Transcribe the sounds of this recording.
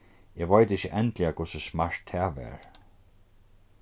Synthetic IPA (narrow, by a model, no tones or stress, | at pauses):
jɛʋajt̪ɪçəʔɛnt̪lɪakʰʊsɪsmaɹ̥t̪hɛʋɛ̰ɹ